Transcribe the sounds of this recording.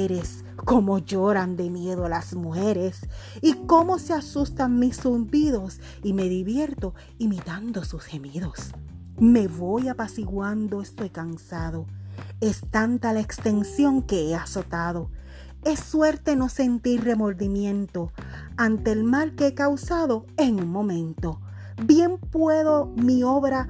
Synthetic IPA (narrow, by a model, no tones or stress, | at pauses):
ɾes | ko̞mo̞ʝo̞ɾand̪e̞mje̞ðolasmuxe̞ɾe̞s | iko̞mo̞seasust̪aŋmisːund̪iðo̞s | ime̞ðiβje̞ɾt̪o̞ | imit̪and̪o̞susxe̞miðo̞s | me̞βo̞japasiɣwand̪o̞est̪o̞jkansaðo̞e̞st̪ant̪alaekst̪e̞nsjo̞ŋke̞easo̞t̪aðo̞ | e̞sːwe̞ɾt̪e̞no̞se̞nt̪iɾre̞mo̞ɾðimjẽ̞nt̪o̞ | ant̪e̞ːlmalkeekawsaðo̞eŋuŋmõ̞mẽ̞nt̪o̞ | bje̞mpwe̞ðo̞mio̞βɾa